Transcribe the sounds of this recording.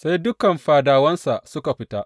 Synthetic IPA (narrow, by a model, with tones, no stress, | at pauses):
sa˦jdʊ˦kɐ˨mɸaː˨daː˨wɐ˦nsa˨ʔsʊ˦ka˨ɸɪ˦taː˦ʔ